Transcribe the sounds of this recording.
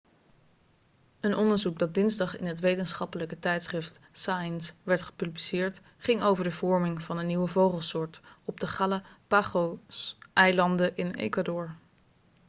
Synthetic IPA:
ənɔndəɹzuk̚dɑd̚dɪnzdɑχɪnɦətʋejtənsχɑpələkətɛjtsχrɪft | sajənsʋɛɹtχə̥pyblisɪːɹt | χɪŋowvəɹdəvɔɹmɪŋvɑnənːiwəvowχəlˠsʊːɹtɔb̚dəχaləpaχosʔɛjlɑndəʔɪnḛjkwadɔɹ

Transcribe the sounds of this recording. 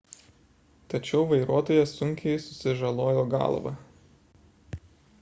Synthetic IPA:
t̪ɐt͡ʃʲɛʊʋɐɪɾuɔt̪oːjɛsʊŋʲkʲɛɪsʊsʲɪʒɐlˠoːjoːɡɑ̰lˠʋɐ̰

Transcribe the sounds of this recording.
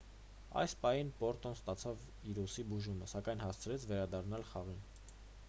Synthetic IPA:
ɑ̰jspɑhinpɔɾt̪ɔnst̪ɑt͡sʰɑv | iɾusibuʒuməsɑkɑjnhɑst͡sʰɾɛt͡sʰvɛɾɑd̪ɑrnɑlχɑʁin

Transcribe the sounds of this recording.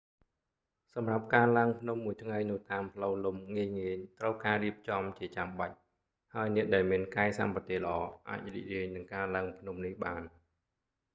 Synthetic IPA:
sɑmrap̚kaːlaəŋpʰnumːuəjt̪ʰŋajnɨ̆ət̪aːmpʰləwlumŋiəjŋiəɲt̪rəwkaːriəp̚t͡ɕɑmt͡ɕiət͡ɕamɓac̚ | haəjnɛ̆əʔɗaɛlmiənkaɛsa̰mpɑt̪eːlə̆ʔɑːʔa̰ːc̚rḭʔriəjnɨŋkaːlaəŋpʰnumnihɓaːn

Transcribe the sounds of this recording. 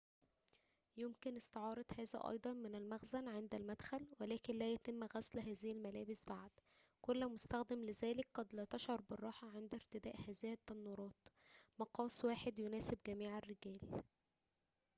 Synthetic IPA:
jomkɪnɪst̪eʕɑːɾˤɑd̪hæːzæ̰ʔɑ̰jd̪ˤɑnmɪnælmæɣzælʕend̪ælmæd̪xælwelæːkɪnlæːjæt̪ɪmːɣæslɦæːzɪhælmælæːbɪsbaʕd̪̥ | kolːmost̪æxd̪æmlɪzæːlɪk̚ɡɑd̪læːt̪ɑʃʕɑɾˤbɪrˤːɑːħɑʕend̪æɾt̪ɪd̪æːʔhæːzɪhæt̪ːɑnːuːɾˤɑːt̪mɑqɑːswaːħed̪jonæːsebɡæmiːʕærːɪɡæːl

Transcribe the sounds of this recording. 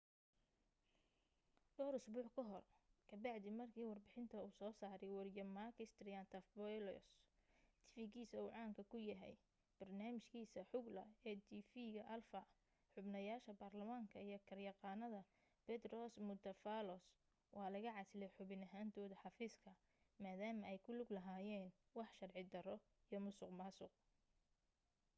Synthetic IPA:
ɖɔːɾʊsbuːħkʰɔɦɔrkʰɐbɑʕd̪ɪmɐrkʰiːwɑrbɪħɪnt̪ʰɐuːsɔːsaːɾɛjwɑɾɪjɐmakʰɪst̪rɪant̪ʰɐfbɔɛlɔ̰st̪ʰɪ̥fɪɡiːsɐuːʕɑːŋkʰɐkʰʊjɐɦɛ̰j | b̥ɐrnaːmɪʃkʰiːsɐħʊɡlɐ̰ɛd̪ifiːɣɐʔɐlfɐ | ħʊbnɐjaːʃɐbaːrlɐmaŋkʰɐijɞkʰɐrjɑqɑːnɐðɐ | b̥ɛd̪rɔsmʊd̪ɐfalɔs | wʔɑːlɐɣɐʕɑsɪlɛjħʊβɪnɐɦaːnt̪ʰɔːðɐħɑfiːskʰɐ | maːðaːmɐɛjkʰʊlʊɡlɐɦaːjɛːn | wɑħʃɐrʕɪd̪ɐɾɔ | ijɔmʊsʊqmɑːsʊq̚

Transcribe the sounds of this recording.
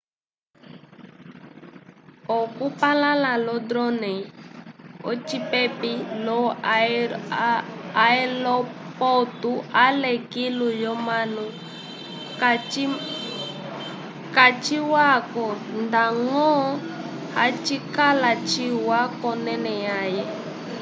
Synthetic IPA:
ɔkupalalalɔdɾɔnɛ | ɔ̰t͡ʃipɛpilɔ | aɛlɔpɔtualɛkilujɔmanu | kat͡ʃiwakɔndaŋɔ | hat͡ʃikalat͡ʃiwakɔnɛnɛjajɛ

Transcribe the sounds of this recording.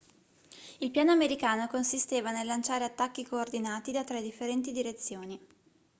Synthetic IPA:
ilpjaːnoameɾikaːnokonsist̪eːvanelːant͡ʃaːɾeat̪ːakːikoːrd̪inaːt̪id̪at̪ɾɛd̪ifːeɾɛnt̪id̪iɾet̪sːjoːni

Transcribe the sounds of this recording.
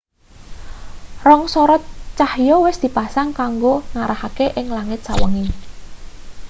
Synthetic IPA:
rɔŋsɔɾɔt͡ʃahjɔwɪsd̪̥i̤pasaŋkaŋɡoŋaɾahakeʔɪŋlaŋɪt̪̚sa̰wə̰ŋɪ

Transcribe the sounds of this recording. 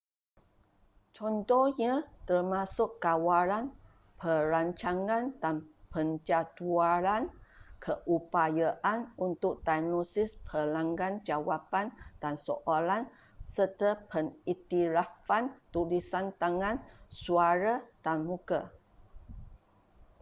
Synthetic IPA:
t͡ʃɔnt̪ɔɲãt̪ərmasʊkːawalan | pʰəɾaɲt͡ʃaŋãndanpənd͡ʒat̪uaɾankʰəʔupajaʔanunt̪ʊk̚danosɪspʰəlãŋɡand͡ʒawapand̥ansoʔalan | sərt̪əpʰənit̪iɾafant̪ulisant̪aŋãnsuaɾad̥anmuka

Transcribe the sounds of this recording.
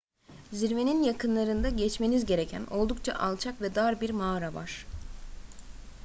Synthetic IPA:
ziɾve̞ninjakʰɯnlˠaɾɯnd̪aɟɛt͡ʃme̞nizɟe̞ɾe̞cʰæno̞lˠd̪ukt͡ʃʰa̰ʔalˠt͡ʃʰakvɛd̪aɾbiɾmaːɾava̰ɾ̥

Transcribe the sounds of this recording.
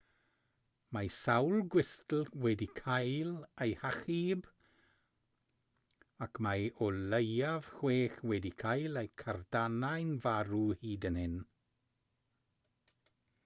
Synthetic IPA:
majsawlˠɡwɪstl̩ˠwɛdikʰajlejhaχib | akʰmajɔlejav̥xweːxwɛdikʰajlˠejkʰardanajnvaɾuhiːdənhɪn

